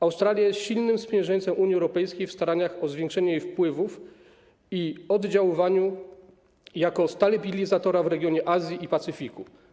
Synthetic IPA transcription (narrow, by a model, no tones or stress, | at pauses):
awst̪ɾalʲjajɛsɕilnɘmspʲjɛ̃j̃ʐɛɲʲt̪sɛmʔuɲjiɛwɾɔpɛjskʲejfst̪aɾaɲaxɔzvʲjɛŋkʂɛɲɛjejfpwɘvuf | iɔd̪d͡ʑawɪvaɲu | jakɔst̪alɛbʲilʲizat̪ɔɾavɾɛɡʲjɔɲɛʔazʲjiʔipat̪sɘfʲiku